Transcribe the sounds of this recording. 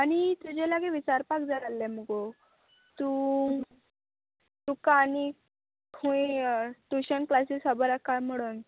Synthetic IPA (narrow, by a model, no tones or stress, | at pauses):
añit̪ud͡ʑɛlaɡɛʋit͡ɕaɾpakd͡zaɾalːɛ̃məɡo | t̪u | t̪ukani | kʰuĩt̪uɕənklasisəbəɾakːam̤əɽun